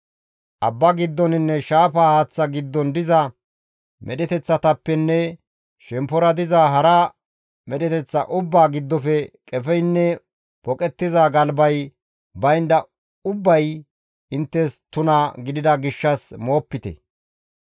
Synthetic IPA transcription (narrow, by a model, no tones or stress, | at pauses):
ʔɐbːɐɡɪd̪ːɔnɪnːɛʃaːfaːhɐt͡sːɐɡɪd̪ːɔnd̪ɪzɐ | mʔɛ̰ɗɛt̪ɛt͡sːɐt̪ɐpːɛnːɛ | ʃɛmpɔɾɐd̪ɪzaːɦɐɾɐ | mɛɗɛt̪ɛt͡sːɐ̰ʔʊbːaːɡɪd̪ːɔfɛkʼɛfɛjnːɛ | pɔkʼɛt̪ːɪzaɡɐlbɐj | bɐjnd̪ɐ | ʊbːɐj | ɪnt̪ːɛst̪ʊnɐɡɪd̪ɪd̪ɐɡɪʃːɐsmoːpːɪt̪ɛ̰